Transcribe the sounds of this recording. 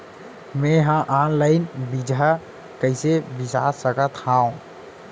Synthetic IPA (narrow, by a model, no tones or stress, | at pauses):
mẽɦãʔaːnlaɪnbid͡ʒʱa | kəɪsebisa̰ːsəkət̪hãːũ